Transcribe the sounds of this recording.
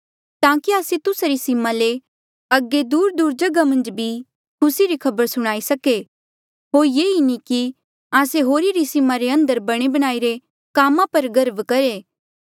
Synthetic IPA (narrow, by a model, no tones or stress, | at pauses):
t̪ãːkiaːset̪ʊsaɾisɪmale | ɐɡːed̪uːɾd̪uːɾd͡ʒɐɡamɐ̃nd͡ʒbʱi | kʰʊsiɾikʰɐbəɾsʊɽ̃aːisɐke | ɦoːɾjeːiniki | aːseɦoːɾiɾisɪmaɾeɐ̃nd̪əɾbɐɽ̃ebɐɽ̃aːiɾe | kaːmãpɐɾɡɐɾbkɐɾeː